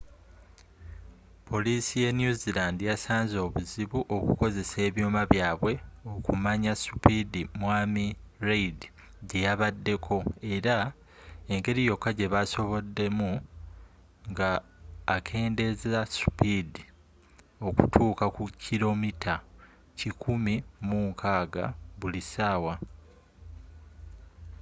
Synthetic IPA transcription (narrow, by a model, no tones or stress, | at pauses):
pʰo̞liːsije̞njuzilandijasaːnzo̞ːβuziβuʔo̞kuko̞ze̞se̞ːβjo̞ːmaβjaːβwe̞o̞kumaɲasu̥pidimwaːmiɾeidi | ɟe̞jaβadːe̞kʰo̞e̞ɾa | e̞ŋɡe̞ɾijo̞kːaɟe̞βaso̞βo̞dːe̞mu | ŋɡaːkʰe̞ːnde̞zasu̥pidi | o̞kutʰuːkakucʰːilo̞mitʰa | cikʰumimuːŋkʰaːɡa̰βulisaːwa